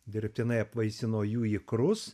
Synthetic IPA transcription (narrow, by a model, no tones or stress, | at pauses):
d̪ʲɪɾʲp̚ʲt̪ʲɪnɐɪɐpʋɐɪsʲɪnoːjuːikɾʊs